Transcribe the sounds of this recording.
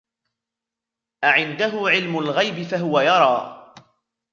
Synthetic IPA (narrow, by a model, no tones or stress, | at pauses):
ʔaʕɪnd̪aɦʊʕɪlmʊlɣajbɪfaɦʊwajɑɾˤɑː